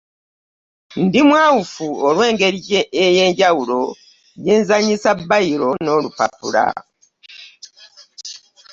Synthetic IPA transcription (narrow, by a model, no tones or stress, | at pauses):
ndimwaːwufuolwe̞ːŋɡe̞ɾiɟeje̞ːɲɟawulo̞ | jeːnzaɲisabːajiɾo̞no̞ːlupa̰pṵɾa̰